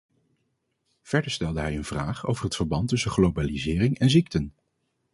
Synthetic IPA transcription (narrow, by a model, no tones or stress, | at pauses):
v̥ɛɹdəɹstɛlˠdəɦɛjənv̥raːχo̰wvərɦətfəɹbɑntɵsəχlowbaːlizɪːrɪŋɛnziktən